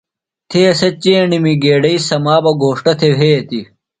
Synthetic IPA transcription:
t̪ʰeɐsɐt͡ɕeːɳimiɡeːɖɐisɐmaːbɐɡʱoːʂʈɐt̪ʰeʋʱeːt̪i

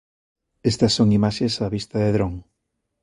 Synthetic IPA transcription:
est̪ɐsːoŋimaʃesaβist̪ɐðeðɾoŋ

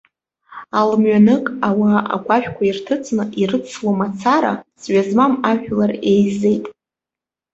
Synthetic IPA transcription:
almɥanɨkʼawaʔa̰ɡʷaʃᶣkʷʰairtʰɨt͡sʰʼnɨʔirɨt͡sʰlomat͡sʰaɾa̰zɥazmamaʒᶣlarejze̞jtʼ

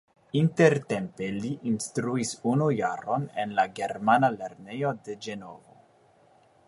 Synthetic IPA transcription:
inte̞ɾte̞mpe̞liʔinstɾuisunujaɾo̞nenlaɡe̞ɾmanale̞ɾne̞jo̞de̞d͡ʒe̞no̞̰vo̞̰

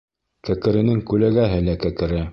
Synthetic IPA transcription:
kækɘ̆ɾɘ̆nɘŋkʉlæɡæɦɘlækækɘ̆ɾɘ

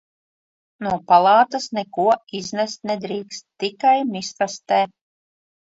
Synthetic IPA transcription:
nuɔpalˠɑːt̪asnɛkuɔiznɛst̪nɛd̪ɾiːkst̪ːikajmʲist̪ast̪ɛː

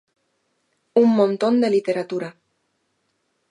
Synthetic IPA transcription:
umːõnt̪ond̪elit̪eɾat̪uɾa

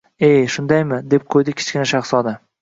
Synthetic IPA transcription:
ejʃʊnd̪ajmɪd̪e̞p̚qʰojd̪ɪkʲʰɪ̥t͡ʃkʲɪnaʃɑχsɒd̪a

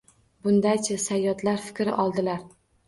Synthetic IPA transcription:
bʊnd̪ajt͡ʃʰasajːɒt̪laɾfɪ̥kʲɾɪ̰ʔɒlˠd̪ɪlaɾ

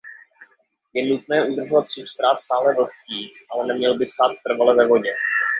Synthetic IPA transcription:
jɛnut̪̚nɛːʔud̪r̩ʒovat̪siːxst̪ɾaːfst̪aːlɛvot̪ciːʔalɛnɛmɲɛlbɪst̪aːt̪ːr̩valɛvɛvo̞ɟɛ

